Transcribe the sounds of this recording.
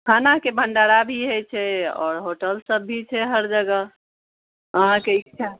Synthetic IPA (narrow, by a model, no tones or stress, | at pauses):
kʰanakebʱəɳɖaɾabʱiɦɛt͡ʃʰɛɔ̰ːɾɦoʈəlsəbːʱit͡ʃʰɛɦəɾd͡ʒəɡəɦ | əɦãkeik̚t͡ʃʰa